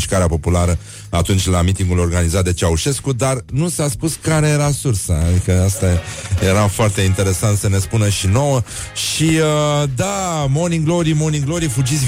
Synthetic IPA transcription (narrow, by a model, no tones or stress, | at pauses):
ʃkaɾeapo̞pulaɾə | at̪unt͡ʃʲlamit̪iŋɡulo̞rɡanizat̪̚d̪e̞t͡ʃeauʃe̞skud̪arnusaspuskaɾe̞je̞ɾasursaad̪ikəast̪aje̞ɾafoart̪e̞int̪e̞ɾe̞sant̪səne̞spunəʃino̞wə | ʃiəd̪amo̞niɡlo̞ɾimoniɡloɾifud͡ʒitsʲ